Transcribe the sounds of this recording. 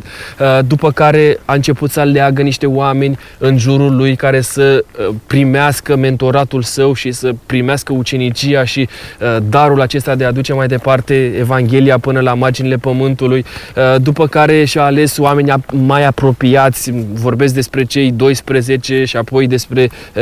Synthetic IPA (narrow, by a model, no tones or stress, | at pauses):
d̪upəkaɾe̞aɨnt͡ʃe̞put̪səleaɡəniʃt̪e̞oame̞nʲ | ɨnʒuɾulujkaɾe̞səpɾimeaskəme̞nt̪o̞ɾat̪ulsəwʃisəpɾimeaskəut͡ʃe̞nit͡ʃijaʃid̪aɾulat͡ʃe̞st̪ad̪e̞ad̪ut͡ʃe̞majd̪e̞part̪e̞evaŋɡʲe̞liapɨnəlamard͡ʒinile̞pəmɨnt̪ulujd̪upəkaɾe̞ʃiaale̞soame̞nʲamajapɾo̞piat̪sʲvo̞rbes̬k̚d̪e̞spɾe̞t͡ʃe̞jd̪o̞jspɾəze̞t͡ʃe̞ʃiapo̞jd̪e̞spɾe̞